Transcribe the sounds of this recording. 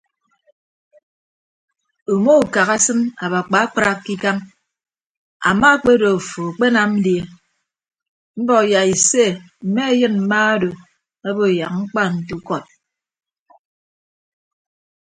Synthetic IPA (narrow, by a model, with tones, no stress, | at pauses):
u˨mo˦u˨ka˨ɣa˦sɨ˦ma̰˨ba˨k͡pa˨˦k͡pɾa˦ki˦ka˦m | a̰˨ma˦k͡pe˦do˨fo˨a˨k͡pe˦na˨m̩˦dje˨ | m̩˦bɔ˦˨kja˨i˨se˦ | m̩˨me˦e˦jɨ˦nm̩˨ma˦a˦do˨ | a˦bo˦˨ja˨k̚ŋ͡m̩˦k͡pa˦˨n̩˨tu˦kɔ˦t̚